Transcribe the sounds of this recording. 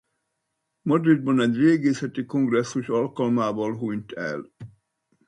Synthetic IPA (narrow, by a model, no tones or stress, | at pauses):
mɒd̪rid̪̚bɒnɛɟreːɡeːsɛt̪ikoŋɡrɛsːuʃɒlkɒlmaːvɒlɦuɲt̪ɛ̰l